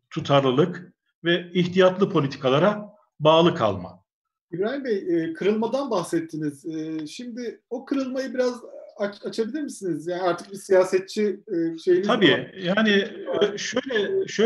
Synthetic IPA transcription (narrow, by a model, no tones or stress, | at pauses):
t̪ʰut̪ʰaɾlˠɯlˠɯk | vɛiçt̪ʰijat̪lˠɯpʰo̞lʲit̪ʰi̥kʰalˠaɾa | baːlˠɯkʰa̰lˠma̰ | ibɾaːjimbɛjɛːkʰɯɾɯlˠmad̪anbaxsɛt̪ʰːiniz̥ɛːʃimd̪ɪo̞kʰɯɾɯlˠmajɯbiɾazaat͡ʃʰabilʲiɾmisinizjaːniaɾt̪ʰɯ̥k̚bisijaːsɛt̪̚t͡ʃʰiʃejilʲiabiːjaːniʃøjlʲɛʃø